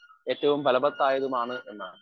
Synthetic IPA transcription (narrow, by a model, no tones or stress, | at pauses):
e̞ːtːɐʋumpɐlɐbɐt̪ːaːjɐðumaːɳɨʔe̞nːaːɳɨ